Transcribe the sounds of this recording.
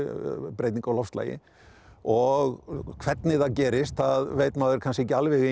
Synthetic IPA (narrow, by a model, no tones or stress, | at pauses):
pɾeːjt̪niŋkalɔfst̪la̰ːjɪ̰ | ɔɣkʰvɛt̪nɪθacɛːɾɪst̪θaðvejt̪maːðɛɾkʰanscɪɛcːɪalvɪɣe